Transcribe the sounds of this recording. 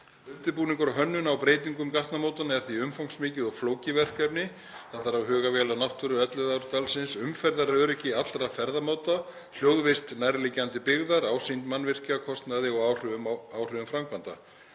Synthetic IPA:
ʏnt̪ɪɾpuːniŋkaɾɔɦœnːʏnawpɾeːjt̪̬iŋkʏmkaht̪namoːwt̪anaɛɾ̥θiʏmfawŋksmɪːcɪðɔɣfloːwcɪvɛr̥kɛpnɪ | θaθaɾavɦœːɣavɛːlanawht̪ʏɾʏœt̪lɪðawɾt̪alsɪnsʏmfɛɾðaɾɾœɾɛhcɪat̪lɾafɛɾðamaːwt̪a | l̥joːwðvest̪najɾlɪcːant̪ɪpɪɣðaɾaːwsint̪manːvɪr̥cakʰɔst̪naðɪɔɣawr̥ʏʏmawr̥ʏʏmfɾamkvant̪a̰

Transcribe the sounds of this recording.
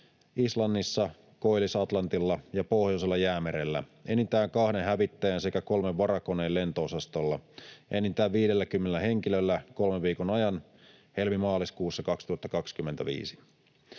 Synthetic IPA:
islɑnːisːɑ | koilisɑt̪lɑnt̪ilːɑjɑpohjoselːɑjæːmeɾelːæ̰enint̪æːŋkɑhneɦæʋit̪ːæjænse̞kæko̞lmeʋʋɑɾɑkoneːle̞nt̪oosɑst̪olːɑʔenːint̪æːʋʋiːɾelːækymːenelːæhe̞ŋk̟ilølːæko̞lmeʋʋiːkonɑjɑn | he̞lmimɑːliskuːsːɑkɑkst̪uhɑt̪ːɑkɑkskymːent̪æʋḭːsi̥

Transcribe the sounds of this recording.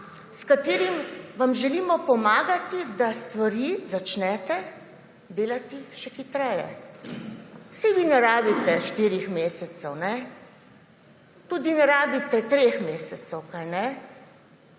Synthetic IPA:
skat̪iːɾimʋamʒɛliːmɔpɔmaːɡat̪id̪ast̪ʋaɾiːzat͡ʃnɛːt̪ɛ | d̪eːlat̪iʃɛxit̪ɾɛjɛ̰ | sɛʋinɛɾaːbit̪ɛʃt̪iːɾixmeːsɛt̪sɛwnɛ | t̪uːd̪inɛɾaːbit̪ɛt̪ɾexmeːsɛt̪sɛwkajnɛ

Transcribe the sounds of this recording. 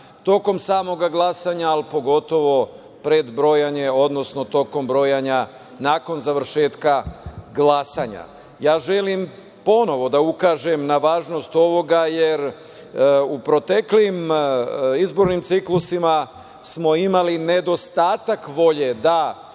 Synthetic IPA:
t̪o̞ko̞msaːmo̞ɡaɡlˠasaːɲaːlpo̞ɡo̞t̪o̞ʋo̞ | pɾe̞d̪bɾo̞jaɲeo̞d̪no̞sno̞t̪o̞ko̞mbɾo̞jaɲa | naːko̞nzaʋɾ̩ʃe̞ːt̪kaɡlˠasaɲa̰ | jaːʒe̞lim | po̞no̞ʋo̞d̪aukaːʒemnaʋaːʒno̞st̪o̞ʋo̞ɡaje̞ɾ | upɾo̞t̪ekliim | izbo̞ɾnimt̪siklusima | smo̞imaline̞d̪o̞st̪aːt̪akʋo̞ʎed̪a

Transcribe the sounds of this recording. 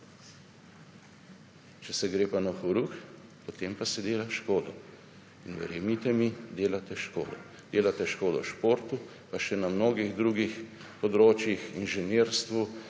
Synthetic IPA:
t͡ʃɛsɛɡɾeːpanaxɔɾuxpot̪empasɛd̪eːlaʃkoːd̪ɔ | inʋɛ̰ɾjɛmit̪ɛmid̪eːlat̪ɛʃko̰ːd̪ɔ̰ | d̪eːlat̪ɛʃkoːd̪ɔ̰ʃpoːɾt̪u | paʃɛnamnoːɡiɣd̪ɾuɡix | pɔd̪ɾoːt͡ʃjixinʒɛneːɾst̪ʋu

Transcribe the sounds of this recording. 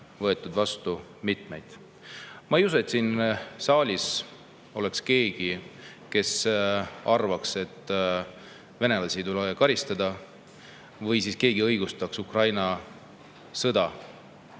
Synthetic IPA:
vɤ̞e̞t̪ːˑud̪vɑst̪u | mit̪ˑmejd̪̥ | mɑejus̬uet̪sinsɑːlʲis | o̞le̞kske̞ːɡ̥i | ke̞s | ɑrvɑkse̞t̪ˑː | ve̞ne̞lɑsʲit̪ulekɑɾist̪ɑd̪̥ɑ | vɤjsiːske̞ːɡiɤ̞jɡ̥ust̪ɑksukrɑjnɑ | sɤd̪̥ɑ

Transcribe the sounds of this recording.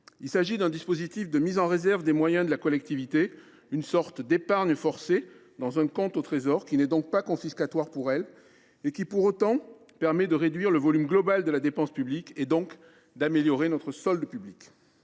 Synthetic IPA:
ilsaʒid̪ɛ̃d̪ispozit̪ifd̪əmizɑ̃ʁezɛʁvd̪emwajɛ̃d̪əlakɔlɛk̚t̪ivit̪e | ynsɔʁt̪d̪epaʁɲəfɔʁsed̪ɑ̃zɛ̃kɔ̃t̪ot̪χezɔʁkʲinɛd̪ɔ̃k̚pakɔ̃fiskat̪waʁpuʁɛl | ekʲipuʁot̪ɑ̃ | pɛʁmɛd̪əʁed̪ɥiʁləvɔlymɡlɔbald̪əlad̪epɑ̃spybliked̪ɔ̃k | d̪ameljɔʁenɔt̪χəsɔld̪əpyblik

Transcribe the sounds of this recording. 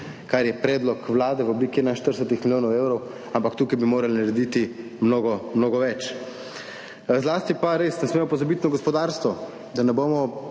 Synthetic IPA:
kaɾjɛpɾɛːd̪lɔkʋlaːd̪ɛʋɔbliːkiɛnaɪinʃt̪əɾsɛt̪ixmiljoːnɔwewɾɔw | ampakt̪uːkajbimoːɾalnaɾɛd̪iːt̪i | mnoːɡɔmnoːɡɔʋɛt͡ʃ | zlaːst̪ipaɾeːsnɛsmeːmɔpɔzabit̪nɔɡɔspɔd̪aɾst̪ʋɔ | d̪anɛboːmɔ

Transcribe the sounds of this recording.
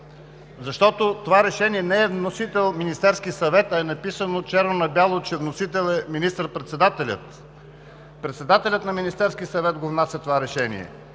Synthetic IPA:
zɐʃt̪ɔt̪ot̪ovaɾɛʃɛniɛnɛɛvnosit̪ɛlˠminist̪ɛɾskisɐvɛt̪ɐɛnɐpisənot͡ʃɛɾvonɐbjalˠot͡ʃɛvnosit̪ɛlˠɛminist̪əɾpɾɛt̪sɛd̪at̪ɛlʲə̰t̪ | pɾɛt̪sɛd̪at̪ɛlʲət̪nɐminist̪ɛɾskʲiəsɐvɛt̪ɡovnasʲɛt̪ovaɾɛʃɛnḭɛ̰

